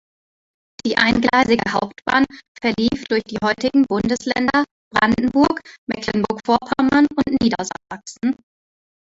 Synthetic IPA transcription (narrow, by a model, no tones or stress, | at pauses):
d̥iːʔa̰ɪnɡlaɪzɪɡəhaʊptb̥a̰ːnfɛɐliːfd̥ʊɐçd̥iːhɔʏtɪɡŋ̩bʊndəslɛ̰ndɐ | b̥ʁanddn̩bʊɐkmɛklənbʊɐkfoːɐpʰamanʊntniːdɐza̰zaksn̩